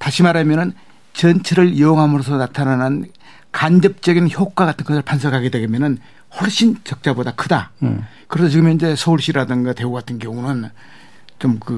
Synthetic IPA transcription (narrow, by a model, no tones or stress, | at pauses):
taɕʰimaɾamjʌnɯn | t͡ɕʌnt͡ɕʰeɾɯɭjooŋɦamɯɾosʰʌnatʰananɯn | kand͡ʑʌp̚t͡ɕ͈ʌɡinçjok͈̚waɡatʰɯnɡʌs̬ʰɯɭpʰans̬ʰʌkʰaɡedwe̞ɡmjʌnɯn | hoɭɕ͈int͡ɕʌk̚t͡ɕ͈abodakʰɯda | kɯɾes̬ʰʌt͡ɕiɡɯmeind͡ʑe̞sʰʌuɭɕ͈iɾadɯŋɡatwe̞uɡatʰɯnɡjʌŋunɯn | t͡ɕomkɯ